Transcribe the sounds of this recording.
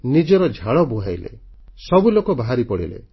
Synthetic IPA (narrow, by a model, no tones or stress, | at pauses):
nid͡ʒɔɾɔd͡ʒʱaɭɔbuɦajlḛ | sɔbulokɔbaɦaɾipɔɽḭlḛ